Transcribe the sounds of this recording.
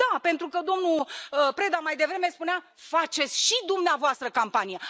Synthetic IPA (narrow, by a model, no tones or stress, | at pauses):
ape̞nt̪ɾukəd̪o̞mnuəpɾe̞d̪amajd̪e̞vɾe̞me̞spunea | fat͡ʃe̞t̪sʲʃid̪umneavoast̪ɾəkampanije